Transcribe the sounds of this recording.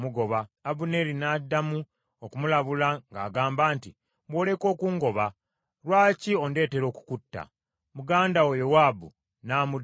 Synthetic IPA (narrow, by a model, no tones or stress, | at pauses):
muɡo̞βaːbune̞ɾinadːamu | okumulaβulaŋɡa̰ːɡaːmbaːnti | βwo̞ːle̞ko̞ːkuːŋɡo̞βa | ɾwaːcio̞nde̞ːte̞ɾo̞ːku̥kutːa̰ | muɡaːndawojowaːbu | naːmud